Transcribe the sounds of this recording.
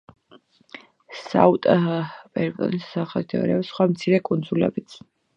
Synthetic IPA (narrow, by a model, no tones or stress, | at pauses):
sa̰ut̪ʼbʼɛɾbʼɔ̰nisaχɛd̪ɛɔ̰ɾɛɔpsχwamt̪sʰiɾɛkʼund̪zulɛ̰bit̪sʰ